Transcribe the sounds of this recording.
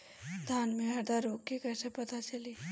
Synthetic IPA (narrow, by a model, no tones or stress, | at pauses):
d̪ʱaːnmẽɐɾd̪aɾoːkːikɛːsepɐt̪at͡ʃəliː